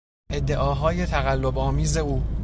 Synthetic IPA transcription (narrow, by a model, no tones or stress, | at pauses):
ʔe̞d̪ːe̞ʔɒːɦɒːje̞t̪ʰæɣælːo̞bɒːmiːze̞uː